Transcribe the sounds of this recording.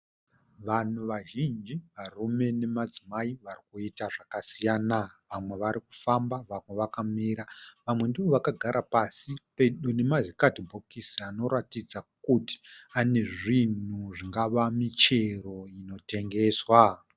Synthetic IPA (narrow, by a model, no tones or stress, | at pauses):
ʋan̤uʋaʒind͡ʒiʋarume̞ne̞mad͡zimaiʋarikuitaʐakasijaːnaʋamwe̞ʋaɾiku̥fambaʋamwe̞ʋakamiɾaʋamwe̞ndiʋo̞ʋakaɡʱaɾʔapasipeɗone̞mazikatibʱokisiano̞ɾatid͡zakuti̥ane̞ʐin̤uʐiŋɡaʋamit͡ʃe̞ro̞ino̞te̞ŋɡe̞ːswa